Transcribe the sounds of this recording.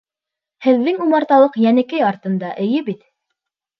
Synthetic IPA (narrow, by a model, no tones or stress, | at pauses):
hɘ̆ðːɘŋumɑɾt̪ɑlˠɤqjænɘ̆kæjɑɾt̪ɤ̆nd̪ɑʔɘ̆jɘbit̪